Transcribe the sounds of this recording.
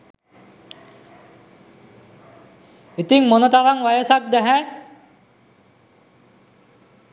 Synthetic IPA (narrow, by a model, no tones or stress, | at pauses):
it̪iŋmonət̪aɾaŋʋajəsak̚d̪æɦæ